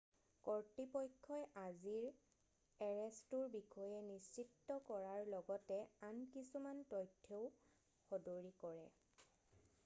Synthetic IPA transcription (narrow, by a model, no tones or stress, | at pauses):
kɔɹtipɔjkʰːɔjʔaziɹ | ɛɹɛstuɹbikʰɔjɛnist͡ʃitːɔkɔɹaɹlɔɡɔtɛankisumantɔjtʰːeʊ | xɔdoɹikɔɹɛ